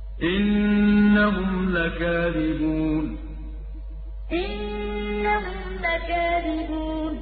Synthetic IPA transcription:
ʔɪnːaɦʊmmlakaːðɪbuːn | ʔɪnː | aɦʊm | lakaːðɪbuːn

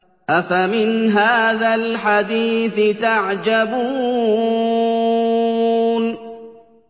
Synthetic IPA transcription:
ʔafamɪnɦaːðalħad̪iːθɪt̪aʕd͡ʒabuː | n

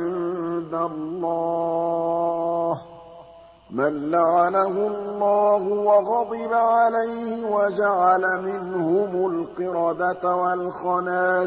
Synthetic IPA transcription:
ɪnd̪alˤːɑː | h | manlaʕanahʊlˤːɑːhʊwɑɣɑd̪ˤɨbaʕalajhɪwad͡ʒaʕalamɪnhʊmʊlqɨɾɑːd̪at̪walxɑnaː

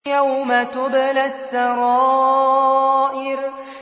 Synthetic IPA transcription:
jawmat̪ʊblasːɑɾɑː | ʔɪɾ

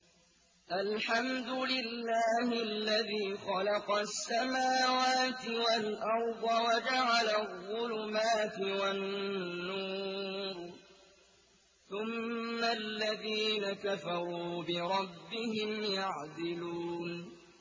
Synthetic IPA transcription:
ʔalħamd̪ʊlɪlːaːhɪlːaðiːxɑlɑqɑsːamaːwaːt̪ɪwalʔɑɾˤd̪ˤɑwad͡ʒaʕalaðˤʊlʊmaːt̪ɪwanːuːɾ | θʊmːalːaðiːnakafɑɾˤuːbɪɾˤɑbːɪhɪmjaʕd̪ɪluːn

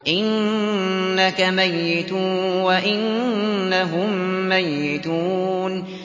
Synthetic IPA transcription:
ʔɪnː | akamajːɪt̪ːwaʔɪnːaɦʊmːajːɪt̪uːn

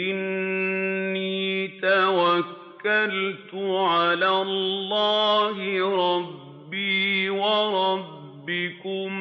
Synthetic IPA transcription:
ɪnː | iiːt̪awakːalt̪ʊʕalaːllːaːhɪɾˤɑbːiːwaɾˤɑbbːɪkʊm

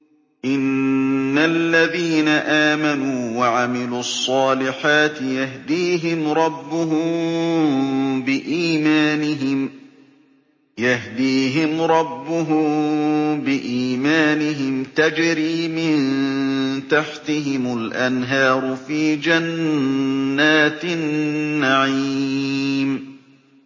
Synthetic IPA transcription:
ʔɪnː | alːaðiːnaʔaːmanuːwaʕamɪluːɑsˤːɑːlɪħaːt̪ɪjahd̪iːɦɪmɾˤɑbːʊɦʊm | bɪʔiːmaːnɪɪm | jahd̪iːɦɪmɾˤɑbːʊɦʊ | bɪʔiːmaːnɪɦɪmt̪ad͡ʒɾiːmɪn | t̪aħt̪ɪɦɪmʊlʔanɦɑːɾˤʊfiːd͡ʒanː | aːt̪nːaʕii | m

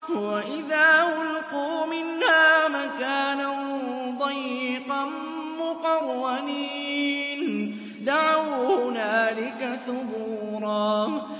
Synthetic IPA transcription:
waʔɪðaːwʊlquːmɪnhaːmakaːnad̪ˤɑjːɪqɑn | mʊqɑrːaniːn | d̪aʕawhʊnaːlɪkaθʊbuːɾˤɑː

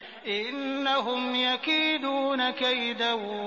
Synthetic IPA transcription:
ʔɪnːaɦʊmjakiːd̪uːnakajd̪awu

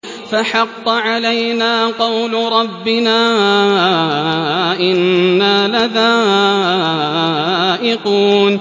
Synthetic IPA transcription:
faħɑqːɑʕalajnaːqɑwlɾˤɑbːɪnaː | ʔɪnːaːlaðaː | ʔɪquːn

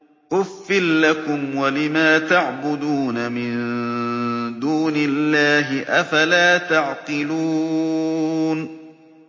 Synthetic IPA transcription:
ʔʊfːɪlːakʊmwalɪmaːt̪aʕbʊd̪uːnamɪn | d̪uːnɪlːaːɦɪʔafalaːt̪aʕqɨluː | n

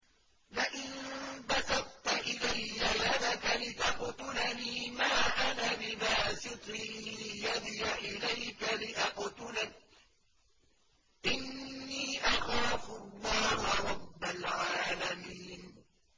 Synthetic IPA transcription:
laʔɪnbasɑq̚t̪aʔɪlajːajad̪akalɪt̪ɑqt̪ʊlaniːmaːʔanalɪbaːsɪt̪ˤɪjad̪jaʔɪlajkalɪʔɑqt̪ʊla | ʔɪnːiːʔaxaɾɑfʊlːɑːhʊɾˤɑbːalʕaːlamiːn

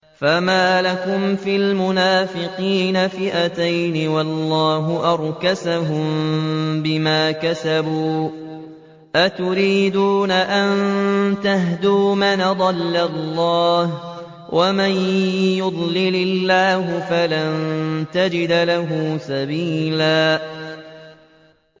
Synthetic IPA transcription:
famaːlakʊmfilmʊnaːfɪqiːnafɪʔat̪ajnɪwɑlˤːɑːɦʊʔɑɾˤkasaɦʊm | bɪmaːkasabuː | ʔat̪ʊɾiːd̪uːnaʔannt̪aɦd̪uːmanad̪ˤɑlːalːɑːh | wʔamanjʊd̪ˤlɪlalːaːɦʊfalant̪ad͡ʒɪd̪laɦʊːsabiːlaː

